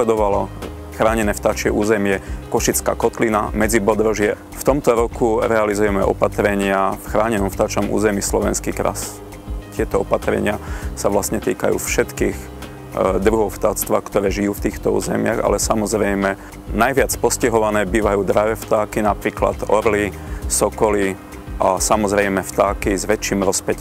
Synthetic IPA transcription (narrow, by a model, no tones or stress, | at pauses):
ɛd̪ɔʋalɔ | xɾaːɲɛnɛːft̪aːt͡ʃɪɛʔuːzɛmɪɛkɔʃit͡ska̰ːkɔt̪lina̰mɛd͡zibɔd̪ɾɔʒɪɛ | ft̪ɔmt̪ɔɾɔkuɾɛalizujɛmɛʔɔ̰pat̪ɾɛɲɪafxɾaːɲɛnɔmft̪at͡ʃɔmṵːzɛmiːslɔʋɛnskikɾa̰s | t̪ɪɛt̪ɔɔpat̪ɾɛ̰ɲɪasaʋlast̪ɲɛt̪iːkajṵːfʃɛt̪kiːɣ | d̪ɾuɦɔʊft̪at͡st̪ʋa̰ːkt̪ɔɾɛːʒiuːft̪iːxt̪ɔṵːzɛ̰mɪaɣa̰lɛsamɔzɾɛjmɛ | najʋɪat͡spɔscɛɦɔʋanɛːbiːʋajuːd̪ɾaʋɛft̪aːkinapɾiːkla̰d̪ɔɾlisɔkɔli | ʔasamɔzɾɛjmɛft̪aːkizʋɛt͡ʃiːmɾɔspɛc